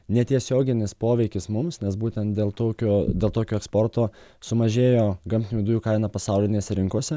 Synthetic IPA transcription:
nʲɛt̪ʲiɛsʲoːɡʲɪnʲɪspoːʋʲɛɪkʲɪsmʊmsnʲɛsbuːt̪ʲɛnt̪d̪ʲeːlˠt̪oːkʲoːd̪ʲeːlˠt̪oːkʲoːɛkspoɾt̪oː | sʊmɐʒʲeːjoːɡɐmʲt̪ʲɪnʲud̪ʊjuːkɐɪnɑpɐsɑʊlʲɪnʲeːsʲɛɾʲɪŋkuɔsʲɛ

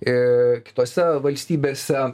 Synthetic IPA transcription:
ɪkʲɪ̥t̪oːsʲɛʋɐlʲsʲt̪ʲiːbʲeːsʲɛ

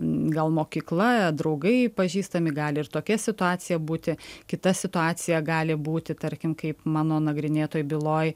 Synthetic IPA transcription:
ɡɐlˠmoːkʲiːklˠɐd̪ɾɐʊɡɐɪpɐʒʲiːst̪ɐmʲɪɡɑːlʲɪɪrt̪oːkʲɛsʲɪt̪ʊɑːsʲɪjɛbuːt̪ʲɪkʲɪt̪ɐsʲɪt̪ʊɑːt͡ssʲɪjɛɡɑːlʲɪbuːt̪ʲɪt̪ɐɾʲkʲɪmkɐɪpmɑːnoːnɐɡɾʲɪnʲeːt̪oːjbʲɪlˠoːj

